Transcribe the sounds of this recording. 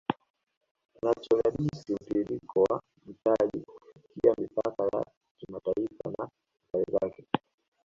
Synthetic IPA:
nat͡ʃɔɾaɗisim̩piɾikʰɔwa | m̩taʄḭkufikiamipakaja̰ | kimataifana | kalizakɛ

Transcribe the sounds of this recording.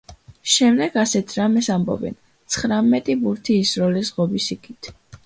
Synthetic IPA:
ʃɛmd̪ɛɡ̥asɛt̪ʰɾamɛsambɔ̰bɛ̰n | t̪sʰχɾamɛt̪ʼibuɾt̪ʰiːsɾɔlizʁɔbisikʰʼit̪ʰ

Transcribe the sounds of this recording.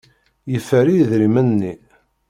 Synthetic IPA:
jəfːəɾiðɾimənːi

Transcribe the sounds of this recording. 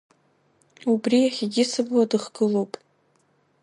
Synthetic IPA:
ubriaχʲiɡʲɪsɨbwadɨχɡɨlowpʼ

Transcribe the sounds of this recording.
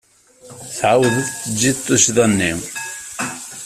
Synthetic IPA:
θʕawðəθt͡sːəd͡ʒːit̪ˤːʊʃðˤɑnːi

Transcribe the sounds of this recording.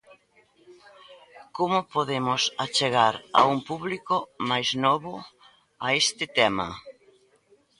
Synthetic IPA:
komʊpoðemʊsat͡ʃeɣ̞aɾa̰umpuβlikʊmajznɔβʊ | aest̪ɪt̪ɛma̰

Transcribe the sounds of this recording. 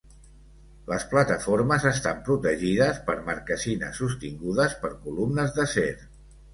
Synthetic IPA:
ləsplət̪əfoɾməzəst̪ampɾut̪əʒiðəspəɾməɾkəzinə̰sːust̪iŋɡuðəspəɾkulumnəzðəseɾ

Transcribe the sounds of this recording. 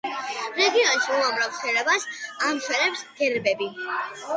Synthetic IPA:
ɾɛɡiɔnʃiuamɾavχɛɾɛbasamʃɛɾɛpsɡɛɾbɛbi

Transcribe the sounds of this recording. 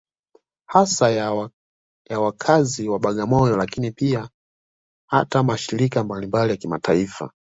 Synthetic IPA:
hasa | jawakʰaziwaɓaɠamɔjɔlakinipia | hatamaʃiɾikambalimbalijakimataifa̰

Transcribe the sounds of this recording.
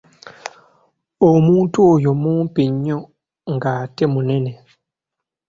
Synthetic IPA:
omuːntuojo̞muːmpiɲːo | ŋɡaːtemune̞ne

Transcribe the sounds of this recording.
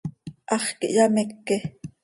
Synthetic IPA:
ʔɑχkiʔjɑmekːe

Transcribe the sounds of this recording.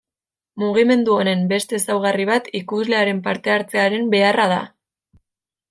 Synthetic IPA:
muɣ̞ime̞nd̪uo̞ne̞mbe̞st̪e̞sawɣ̞ariβ̞at̪ikuzle̞aɾe̞mpaɾt̪e̞aɾt͡se̞aɾe̞mbe̞arað̞a̰

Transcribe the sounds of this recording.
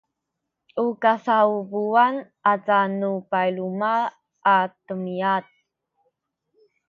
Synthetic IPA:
ʔukasaubuanʔat͡sanupajluma | ʔːtəmiat̚

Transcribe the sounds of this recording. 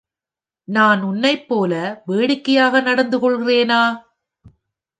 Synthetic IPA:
naːnʊnːɐɪpːoːlɐʋeːɽɪkːɐjaːɣɐnɐɽɐnd̪ɯkɔɭɣɪreːnaː

